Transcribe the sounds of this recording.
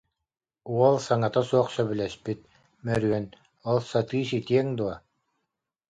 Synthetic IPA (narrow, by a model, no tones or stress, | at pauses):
uɔlˠsaŋat̪asuɔχsœbylɛspit̪̚ | mœɾyœn | ɔlˠsat̪ɯːsit̪iɛŋd̪uɔ